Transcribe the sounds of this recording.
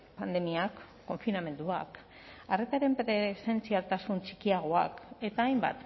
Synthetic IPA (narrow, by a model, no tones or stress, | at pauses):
pand̪e̞miakː | o̞ɱfiname̞nd̪ua̰k | are̞t̪aɾe̞mpɾese̞nt͡sialt̪asunt͡ʃikiaɣ̞oa̰ke̞t̪aːjmba̰t̪